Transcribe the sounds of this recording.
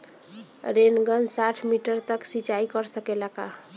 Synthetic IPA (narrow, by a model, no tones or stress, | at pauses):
ɾenɡənsaʈʰmiʈəɾt̪əksit͡ʃaikəɾsəkelaka̰